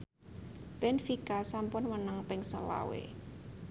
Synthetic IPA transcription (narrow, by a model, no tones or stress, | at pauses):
b̥ɛnfikasampʊnwənəŋpɪŋsə̰la̰wḛ